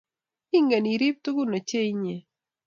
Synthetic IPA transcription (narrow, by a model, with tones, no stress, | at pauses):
i˦ŋɡa˨ni˨ɾi˦p̚t̪ʊ˦ɡʊ˦no˨t͡ʃe˦i˦ɲe˨